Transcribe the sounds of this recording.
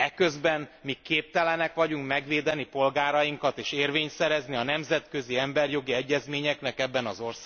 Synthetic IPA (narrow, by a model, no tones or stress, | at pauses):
ɛkø̞zbɛnmikːeːp̚t̪ɛlɛnɛkʋɒɟuŋkmɛɡʋeːd̪ɛnipo̞lɡaːɾɒjiŋkɒt̪eːʃeːrveːɲsɛɾɛzniɒnɛmzɛt̪kø̞ziɛmbɛrjo̞ɡiɛɟːɛzmeːɲɛknɛkɛbːɛnɒzo̞rsaːɡ